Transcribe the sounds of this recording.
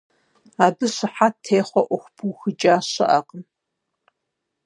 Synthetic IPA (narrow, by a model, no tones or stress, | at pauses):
aːbɨɕɪħaːtʰeːχʷɔʔʷʊxʷpʰuxɨd͡ʒʼaːɕɐ̰ʔa̰ːqəm